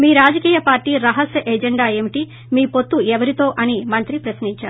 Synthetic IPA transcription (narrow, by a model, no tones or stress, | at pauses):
miːɾaːd͡ʒɐkiːjɐpaːɾʈiːɾɐɦɐsjɐʔɛd͡ʒeɳɖaːe̞ːmiʈi | miːpot̪ːuɛʋɐɾit̪o̞ːʔɐnimɐnt̪ɾipɾɐsniɲt͡ʃaːɾu